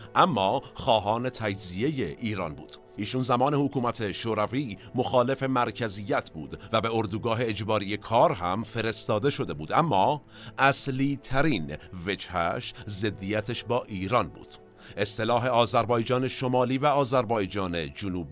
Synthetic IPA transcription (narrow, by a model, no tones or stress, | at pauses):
ʔæmːɒːxɒːɦɒːne̞t̪ʰæd͡ʒzije̞je̞ʔiːɾɒ̰ːnbṵːd̪̥ | ʔiːʃunzæmɒːne̞hokʰuːmæt̪ʰe̞ʃoːɾæviːmo̞xɒːle̞fe̞mæɾcʰæzijːæt̪ʰbṵːd̪væbeoɾd̪uɡɒːɦe̞ːd͡ʒbɒːɾije̞kʰɒːɾɦæmfe̞ɾe̞st̪ɒːd̪e̞ʃo̞d̪e̞buːd̪æmːɒː | ʔæsliːt̪ʰæɾiːnve̞d͡ʒhæʃze̞d̪ːiːjæt̪ʰeʃbɒːʔiːɾɒːnbṵːd̪̥ | ʔe̞st̪e̞lɒːɦe̞ɒːzæɾbɒːjd͡ʒɒːne̞ʃo̞mɒːliːvæɒːzæɾbɒːjd͡ʒɒːne̞d͡ʒonuːbi